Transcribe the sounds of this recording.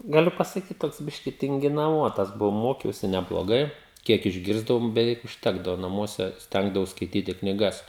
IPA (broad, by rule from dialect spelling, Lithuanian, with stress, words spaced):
ɡɐˈlʲʊ pɐsɐˈkʲiːt ˈtoːks ˈbʲɪʃʲkʲɪ tʲɪŋʲɡʲɪnɐˈʋoːtɐs ˈbʊʋɐʊ ˈmoːkʲɛʊsʲɪ nʲɛblˠoːˈɡɐɪ ˈkʲiɛk ɪʒʲˈɡʲɪrzdɐʋoːm bʲɛˈʋʲɛɪk ʊʃʲˈtʲæːɡdɐʋoː nɐˈmuɔsʲɛ ˈsʲtʲɛŋɡdɐʋɐʊs skɐɪˈtʲiːtʲɪ knʲiːˈɡɐs